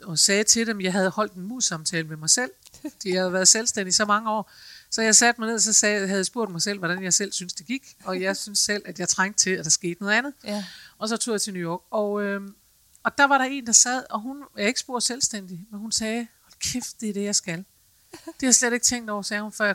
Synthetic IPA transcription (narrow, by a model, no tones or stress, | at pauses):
ɒ̽sɛːt͡sʰe̝lɾemjɑ̈ɪɦæð̞ˠhɒ̽l̰d̥enmuðˠsɑ̈mt͡sʰɛːləmemɑ̈ɪsel̰fd̥ijahæðˠʋæːɐðˠselsd̥en̰d̥isɒ̽mɑ̈ŋəɒ̰ːsɒ̽jɑ̈ɪsæd̥mɑ̈ɪe̝ðˠɒsɒ̽sɛːhæð̩ˠjasb̥o̝ɐ̰d̥mɑ̈ɪsel̰ʋɒɾ̥ænjɑ̈ɪsel̰synsd̥e̝ɡ̥iɡ̥ɒ̽jɑ̈ɪsynsel̰æd̥jɑ̈ɪt͡sʰʁɑ̈ŋ̰d̥t͡sʰe̝læd̥æɐsɡ̥e̝̰ːd̥nɔ̽ð̩ˠænð̩ˠɒ̽sɒ̽t͡sʰo̝̰ːjɑ̈t͡sʰe̝nujɒːɡ̥ɒ̽ø | ɒ̽d̥ɑ̈ʋɑ̈ɾɑ̈e̝̰ːnd̥ɑ̈sɛð̞̰ˠɒ̽ɦunjɑae̝ɡ̥əsb̥o̝ɐ̰d̥ˠselsd̥en̰d̥imenhunsɛːɒlkʰefd̥d̥eɾ̥e̝jɑ̈ɪsɡ̥æl | d̥ehɑ̈sleɾe̝ɡ̥t͡sʰeŋ̰d̥ɒʊ̰ɐsɛːhunfɶɐ̰